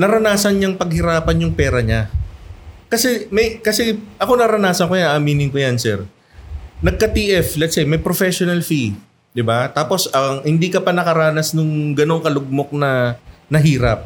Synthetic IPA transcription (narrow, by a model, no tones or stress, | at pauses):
nɐɾɐnaːsɐnɲaŋpɐɡ̚hɪɾaːpɐnjʊŋpɛːɾɐɲa | kɐsɛmɐjkɐsɛʔɐko̞nɐɾɐnaːsɐnkojaʔɐmiːnɪnkojansɛɾ | nɐɡ̚kɐt̪iːʔɛflɛt̪sajmɐjpɾofɛʃonɐlfi | d̪ɪbat̪aːpo̞sɐŋhɪnd̪iːkɐpɐnɐkɐɾaːnɐsnʊŋɡɐno̞ŋkɐlʊɡ̚mok̚nɐnɐɦiːɾɐ̰p̚